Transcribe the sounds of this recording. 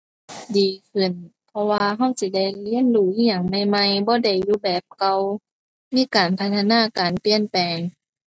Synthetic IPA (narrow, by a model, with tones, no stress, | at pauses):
diː˨˩kʰɯ˧˩˨npʰɔ˧waː˧ɦa˧˥˨wsi˧˦da˧˩˨jli˧˥˨ə˨nduː˧˩ʔi˧a˧˨˩ŋna˧˩jma˧jbɔː˧˦da˧˩jːuː˧˦bɛː˨˧˩p̚ka˧w | miː˧˥˨kaː˨˩npʰa˧t̪ʰa˧naː˧˥˨kaː˨˩npi˧˨ənpɛː˨ŋ